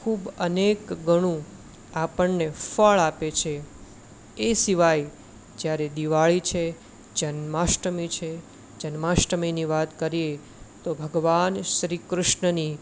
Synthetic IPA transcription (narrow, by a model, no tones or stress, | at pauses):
kʰubənekɡəɽ̃ũ | apəɳnefəɭapet͡ʃʰe | esiʋaj | d͡ʒjaɾed̪iʋaɭit͡ʃʰe | d͡ʒənmaʃʈəmit͡ʃʰe | d͡ʒənmaʃʈəminiʋat̪kəɾie | t̪obʱəɡʋanʃɾikɾʊʃɳəni